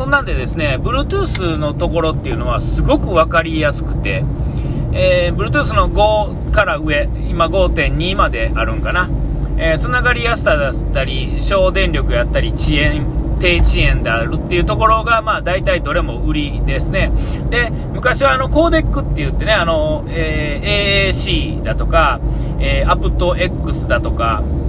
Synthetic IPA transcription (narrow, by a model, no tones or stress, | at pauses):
sõnːãnd̪e̞d̪e̞sɨne̞bɯ̟ɾɯ̟t̪ɯːsɨno̞t̪o̞ko̞ɾo̞t̪ːe̞iɯ̟no̞β̞asɨɡo̞kɯ̟βakaɾʲijasɨ̥kɯ̟̥t̪e̞̰ | bɯ̟ɾɯ̟t̪ɯ̟ːs̬ɨno̞ɡo̞ | kaɾaɯ̟e̞ | imaɡo̞ːt̪ẽ̞ɲ̟ɲːiːmad̪e̞ʔaɾɯ̟̃ŋkana | et͡sɨnaɡaɾʲijasɨ̥t̪ad̪at̪ːaɾʲiɕo̞ːd̪ẽ̞nɾʲo̞kɯ̟jat̪ːaɾʲit͡ɕiẽ̞nt̪e̞ːt͡ɕiẽ̞nd̪eaɾɯ̟t̪ːeiɯ̟t̪o̞ko̞ɾo̞ɡamaːd̪ait̪aid̪o̞ɾe̞mo̞ɯ̟ɾʲid̪e̞sɨne̞ | d̪e̞ | mɯ̟kaɕiβaːno̞ko̞ːd̪e̞kːɯ̟t̪ːe̞jɯ̟t̪ːe̞ne̞ano̞ | eː | eːeːɕiːd̪at̪o̞ka | eːapɯ̟t̪o̞ʔe̞kːɯ̟sɨd̪at̪o̞ka̰